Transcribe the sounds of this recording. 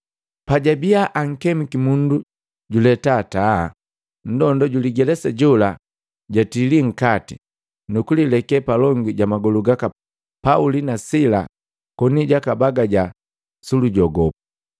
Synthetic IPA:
paɟabiaʔaŋ̩kɛmikimundu | ɟulɛtaːta | n̩dɔndɔɟuliɡɛlɛsaɟɔla | ɟatiliŋ̩kati | nukulilɛkɛpalɔŋɡiɟamaɡɔluɡaka | paulinasila̰ | kɔniɟakabaɡaɟa | suluɟɔɡɔpu

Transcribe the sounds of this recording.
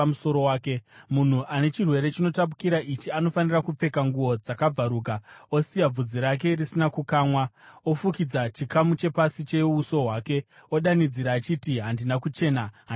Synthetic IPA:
muso̞ɾowaːke̞mun̤uʔane̞t͡ʃirwe̞ɾe̞t͡ʃino̞tap̬ukiɾaʔit͡ʃiano̞fanirakup͡fe̞kaŋɡuwo̞d͡zakab͡vaɾuːkao̞sijab͡vud͡ziɾak̬e̞risinakukaːmwao̞fukid͡zat͡ʃikamut͡ʃe̞pasit͡ʃe̞uso̞ɦwaːke̞o̞ɗanid͡ziɾaːt͡ʃitiɦandinakut͡ʃe̞ːnaɦa

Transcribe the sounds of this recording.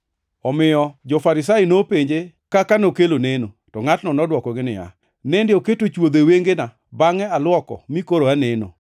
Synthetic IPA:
ɔmɪjɔd͡ʒɔfaɾɪs̬ajɪnopeɲd͡ʒe | kakanokeloneno | tɔŋatnɔnɔdwɔkɔɡɪnɪ̰ja̰ | nɛndɪoketot͡ʃwod̪eweŋɡena | baŋɛalwɔkɔ̰mikoɾoaneno̰

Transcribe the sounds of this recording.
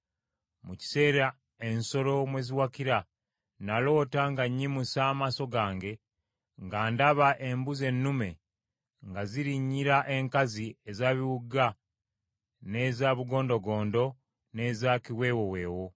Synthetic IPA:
muci̥se̞ːɾa | e̞nso̞lo̞mwe̞ːziwakiɾa | nalo̞ːtaŋɡaɲːimusaːmaso̞ɡaːŋɡe̞ | ŋɡaːndaβaʔe̞mbuze̞nːume̞ | ŋɡaziɾiɲːiɾaʔe̞ŋkaziezaβiwuɡa | ne̞zaβuɡo̞ːndo̞ɡo̞ːndo̞ | ne̞zakiwe̞ːwowe̞ːwo̞

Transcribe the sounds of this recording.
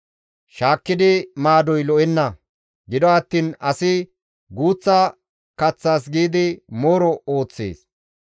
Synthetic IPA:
ʃaːkːɪd̪ɪmaːd̪ɔjlɔʔɛnːɐ | ɡɪd̪ɔɐt̪ːiːnɐsɪ | ɡuːt͡sːɐ | kɐt͡sːaːs̬ɡiːd̪ɪmoːɾɔo̞ːt͡sːḛːs

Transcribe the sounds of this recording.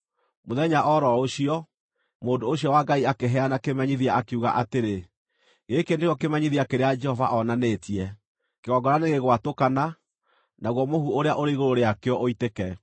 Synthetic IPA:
moðɛɲaʔɔɾɔoɕiɔ | moːndoːɕiɔwaɡaiakeɦɛanakemaɲiðiaakeuɣa̰ʔateɾe | ɣekendeɔkemaɲiðiakeɾead͡ʒɛhɔva̰ʔɔnanetiɛ | keɣɔɡɔɾaneɣeɣwatokana | naɣwɔmohuoɾeaʔoɾeiɣoɾoɾeakeɔʔoitekɛ

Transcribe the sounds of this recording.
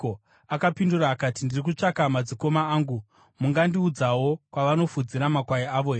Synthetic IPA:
o | akapinduraːkatindirik̬ut͡ʂakamad͡ziko̞maaːŋɡu | muŋɡandiud͡zawo̞kwaʋano̞fud͡ziɾamakwaiaʋo̞ɦe

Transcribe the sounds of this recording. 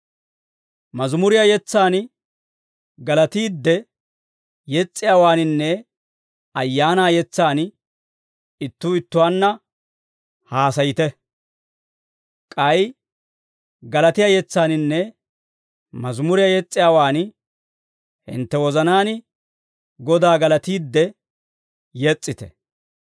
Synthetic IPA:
mɐzmʊɾɪjajɛt͡sːaːn | ɡɐlɐt̪iːd̪ːɛ | jɛt͡sʼːɪjaːwaːnɪnːɛ | ɐjːaːnaːjɛt͡sːaːn | ɪt̪ːuːɪt̪ːʊwaːnːɐ | haːsɐjɪt̪ɛ | kʼɐj | ɡɐlɐt̪ɪjaɐjɛt͡sːaːnɪnːɛ | mɐzmʊɾɪjɐjɛt͡sʼːɪjaːwaːn | hɪ̰nt̪ːɛwɔzɐnaːnɪ | ɡɔd̪aːɡɐlɐt̪iːd̪ːɛ | jɛt͡sʼːɪt̪ɛ̥̰

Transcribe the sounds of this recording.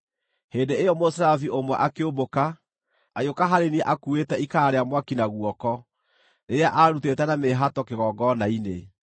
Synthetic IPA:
heːndeejɔmosɾaviʔomwɛʔakeoboka | ajokaɦaɾeniɛʔakuetɛikaːɾeamwakinaɣuɔkɔ | neaʔaɾutetɛnameɦatɔkeɣɔːɡɔnaine

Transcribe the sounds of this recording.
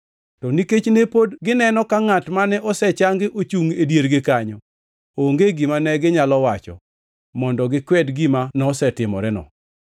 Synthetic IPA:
tɔniket͡ʃnepodɡɪnɛnɔkaŋatmanɛʔɔsɛt͡ʃaŋɡɪʔot͡ʃuŋedjeɾɡɪkaɲɔ | oŋɡeɡimanɛɡɪɲalɔwat͡ʃɔ̰ | mɔndɔɡɪkwɛdɡimanɔsɛtɪmɔ̰ɾɛnɔ̰

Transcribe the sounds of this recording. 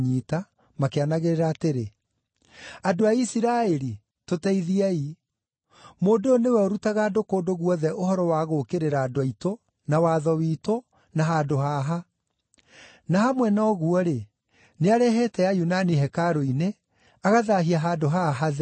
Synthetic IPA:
ɲiːta | makeanaɣeɾeɾaːteɾe | adoaisiɾaɛɾi | totɛiðiai | moːndoonewɛoɾutaɣaːdokoːdoɣwɔðɛʔohɔɾɔwaːɣokeɾeɾaːdoaito | nawaːðɔwiːto | naɦaːdoɦaːɦa | nahamwɛnɔɣuɔɾe | neaɾɛɦɛtɛjajunaniɦɛkaɾoine | aɣaðaɦiaɦaːdoɦaɦað

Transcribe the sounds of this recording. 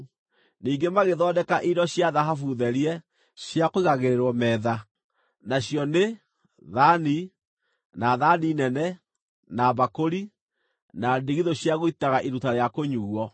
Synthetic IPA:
niːŋɡemaɣeðɔːdɛkaʔidɔɕjaðaɦafuðɛɾiɛ | ɕjakoiɣaɣeɾeɾwɔmɛːða | naɕjɔne | ðani | naðaninɛnɛ | naβakoɾi | nadeɣiðoɕjaɣoitaɣaʔeɾutaɾeakoɲuːɣwɔ

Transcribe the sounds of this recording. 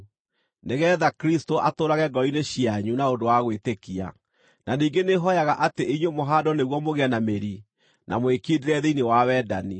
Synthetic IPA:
neɣɛðakɾistoʔatoːɾaɣɛɡɔineɕiaɲunaondowaɣwetekia̰ | naniːŋɡeneɦɔjaɣaʔateiɲwemoɦadɔneɣwɔmoɣeanameɾi | nʔa̰moekideɾɛðeinewawɛdani

